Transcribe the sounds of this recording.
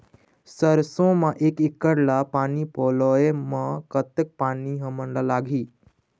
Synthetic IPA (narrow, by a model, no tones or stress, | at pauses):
səɾsõmaʔekikːəɽlapanipɔlɔemakət̪ek̚paniɦə̃məɳlalaɡʱiː